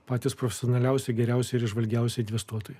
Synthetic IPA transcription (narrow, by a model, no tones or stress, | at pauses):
pɑːt̪ʲɪspɾofʲɛsʲonɐlʲɛʊsʲɛɪɡʲɛɾʲɛʊsʲɛɪɾɪʒʋɐlʲɡʲɛˑʊsʲɛɪɪnʲʋʲɛst̪uɔt̪oːj